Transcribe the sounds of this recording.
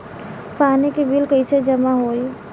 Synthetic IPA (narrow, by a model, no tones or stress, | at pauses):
panikebʱilkəjt͡ʃʰed͡ʒəmaɦoj